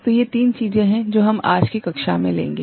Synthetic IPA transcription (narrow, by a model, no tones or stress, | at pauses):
t̪ojet̪iːnt͡ʃiːzẽɦɛ̃d͡ʒoːɦɐmaːd͡ʒkikɐkʃa̰mḛ̃lḛ̃ːŋɡeː